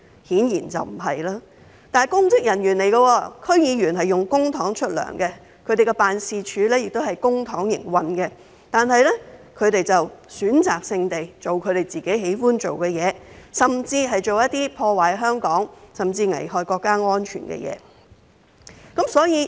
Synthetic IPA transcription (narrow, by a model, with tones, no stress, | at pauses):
hiː˨˥njiː˨˩nt͡sɐ̰˨wm̩˨˩ɦɐ˨jlaː˥ | t̪aː˨njkʊ˥ŋt͡sɪ˥k̚jɐ˨˩njyː˨˩nle˨˩jɡɐ˧wɔː˧kʰɵ˥ɥjiː˨˧jyː˨˩nɦɐ˨jjʊ˨˩ŋkʊ˥ŋt̪ʰɔː˨˥ŋt͡ʃʰɵ˥t̚lœ̰ː˨˩ŋɡɛ˧ | kʰɵ˧te˨jkɛ˧paː˨nsiː˨˧t͡ʃʰyː˨˧lɛː˥jɪ˨k̚t̪o˥whɐ˨jkʊ˥ŋt̪ʰɔː˨˥ŋjɪ̰˨˩ŋwɐ˧nɡɛ˧ | t̪aː˨nɦɐ˨jlɛ˥kʰɵ˨˧ɥt̪e˨jt͡sɐ˨wsyː˨˥nt͡saː˨˩k̚sɪ˧ŋt̪e˨jt͡so˨wkʰɵ˨˧ɥɾe˨˩jt͡siː˨ke˨˥jɦe˨˥jfuː˥nt͡ʃo˨wkɛ˧jɛː˨˧sɐ˨˩mt͡siː˧ɦɐ˨jt͡ʃo˨wjɐ˥t̪̚iː˥pʰɔː˧waː˨˥jɦœː˥ŋkɔː˨˥ŋsɐ˨mt͡siː˧ŋɐ̰˨˩jhɔː˧jkɔː˧kːaː˥ŋɔː˥nt͡ʃʰy̰˨˩nkɛ̰˧jɛ̰ː˨˦ | kɐ˨˥msɔː˨˥jiː˨˧